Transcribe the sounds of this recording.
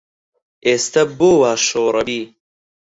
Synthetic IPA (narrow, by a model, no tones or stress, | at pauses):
ʔeːst̪ɐboːwaːʃoːɾɐbiː